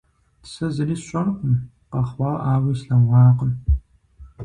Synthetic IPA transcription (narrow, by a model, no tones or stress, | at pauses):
tʰsɐzɨniːsɕʼɐnqʷʊm | qɐχwʷɑːʔaːwiːsɬɐŋʷɑːqən